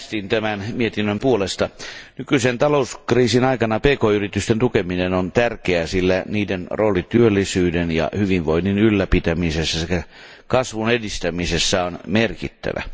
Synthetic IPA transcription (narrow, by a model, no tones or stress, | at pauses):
st̪int̪æmænmiet̪inːømpuolest̪ɑnykysent̪ɑlouskriːsinɑikɑnɑpeːkoːyrit̪yst̪ent̪ukeminenont̪ærkeæsilːæniːdenroːlit̪yølːisyːdenjɑ̰hyʋiʋʋoininylːæpit̪æmisesːæsekːæ | kɑsʋunedist̪æmisesːæonmerkḭt̪ːæ̰ʋæ̰